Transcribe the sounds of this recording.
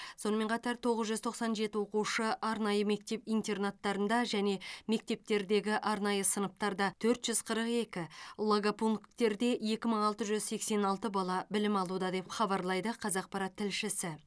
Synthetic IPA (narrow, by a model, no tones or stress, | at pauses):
so̞nəme̞ɴqʰɑt̪ɑɾt̪ʰo̞ʁəzʒʏzt̪ʰo̞qsɑnʒe̞t̪ɪwo̞quʃəʔɑɾnɑjəme̞k̚t̪e̞pijnt̪e̞rnat̪ːɑɾənd̪ɑʒæne̞me̞k̚t̪e̞p̚t̪e̞ɾd̪e̞ɡʲɪʔɑɾnɑjəsənəp̚t̪ɑɾd̪ɑt̪ʰɵɾt̪ʒ̥ʏzqʰəɾəqe̞kʲɪlˠoɡapuŋkt̪e̞ɾd̪e̞je̞kʲɪməɴɑlˠt̪əʒʏzse̞kse̞nɑlˠt̪əbɑlˠɑbɪlɪmɑlˠud̪ɑd̪e̞ppχɑbɑɾlˠɑjd̪əqʰɑzɑq̚pɑɾɑt̪ʰːɪlʃɪsɪ